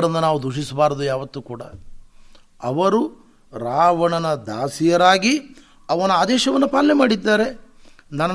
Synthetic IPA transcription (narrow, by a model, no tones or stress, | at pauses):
ɽɐnːɐnaːʋud̪ʱuʂ̬isbaːɾɐd̪ujaːʋɐt̪ːukuːɽɐ̰ | ɐʋɐɾu | ɾaːʋɐɳɐnɐd̪aːsijɐɾaːɡi | ɐʋɐnuaːd̪ɛːʃɐʋɐnːupaːlːemaːɽid̪ːaːɾe̞ | nɐnɐ